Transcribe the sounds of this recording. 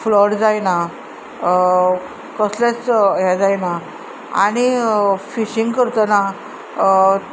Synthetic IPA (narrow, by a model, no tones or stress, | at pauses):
flɔɽd͡zajna | kɔslat͡sɦɛd͡zajna | a̰ɽ̃ifiɕĩŋɡkəɾt̪əna